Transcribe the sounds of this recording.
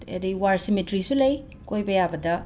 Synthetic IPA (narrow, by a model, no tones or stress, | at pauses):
ḛdiwaɾsimetɾisulɐj | kojbɐjabɐdɐ